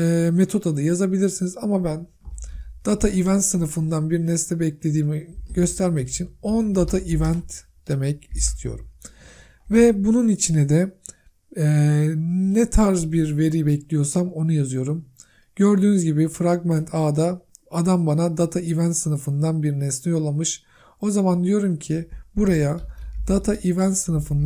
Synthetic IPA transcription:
ɛːme̞t̪ʰo̞t̪ʰad̪ɯjazabilʲiɾsinizamabæn | d̪̥at̪ʰaʔivænt̪sɯnɯfɯnd̪anbiɾnɛslʲɛbɛclʲe̞d̪iːmiɟ̥ø̞st̪ʰæɾmɛci̥t͡ʃʰinond̪at̪ʰaʔivænt̪ | d̪̥e̞mɛcist̪ʰijo̞̰ɾum | vɛbununit͡ʃʰinɛd̪ɛ | nɛt̪ʰaɾzbiɾve̞ɾijbɛclʲijo̞ɾsamo̞nujazɯjo̞ɾum | ɟø̞ɾd̪yːnyzɟibifɾaɡmænt̪ʰaːd̪aːd̪ambanad̪at̪ʰaivænt̪sɯnɯfɯnd̪anbiɾinɛsnɛjo̞lˠamɯʃ | o̞zamand̪ijo̞ɾumcʰibuɾajad̪̥at̪ʰaʔivænt̪sɯnɯfɯnd̪

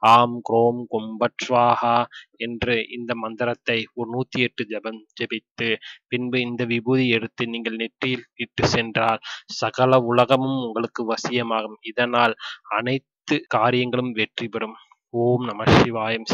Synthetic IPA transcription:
aːmkɪɾoːmkɔmbɐʈrʋaːhaːɛndrɯʔɪ̰nd̪ɐmɐnd̪ɐɾɐt̪ːɐɪɔɾnuːt̪ːiɛʈːɯd͡ʒɛbɐmd͡ʒɛbɪt̪ːɯpɪnbɯɪnd̪ɐʋɪbuːðiɛɽɯt̪ːɯniːŋɡɐɭnɛʈrɪjɪliʈːɯsɛndraːlsɐɣɐlɐʊlɐɣɐmɯmʊŋɡɐɭɯkːɯʋɐsɪjɐmaːɣɯmɪðɐnaːlɐnɐɪt̪ːɯkaːɾɪjɐŋɡɐɭɯmʋɛʈripɛɾɯm | oːmnɐmɐʂɪʋaːjɐms

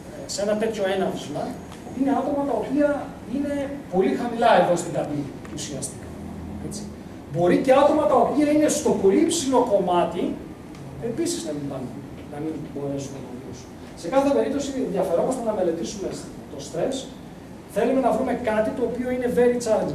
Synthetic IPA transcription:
se̞nɐt̪e̞t̪ço̞e̞nɐfizmɐ | ine̞ɐt̪o̞mɐt̪ɐo̞piɐ | ine̞po̞lixɐmilɐevost̪iɡɐnicusiɐst̪i̥kɐ̥ | e̞t͡si̥ | bo̞ɾice̞ɐt̪o̞mɐt̪ɐopiɐine̞st̪o̞po̞lipsilo̞ko̞mɐt̪i | e̞pisiznɐminbɐnun | nɐminbo̞ɾe̞sunɐt̪olisun | se̞kɐθe̞pe̞ɾip̚t̪o̞sinðjɐfe̞ɾo̞mst̪enɐme̞le̞t̪isume̞ | t̪o̞st̪ɾe̞s | θe̞lume̞nɐvɾume̞kɐt̪it̪o̞ːpio̞ine̞ve̞ɾit͡sɐɾe

